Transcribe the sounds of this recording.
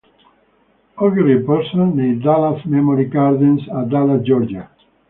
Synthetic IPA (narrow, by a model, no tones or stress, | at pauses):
ɔɡɾipəɾsɔ̃nːẽd̪alasmɛmɔɾiɡaɾd̪ĩnsad̪alad͡ʒɔɾd͡ʒa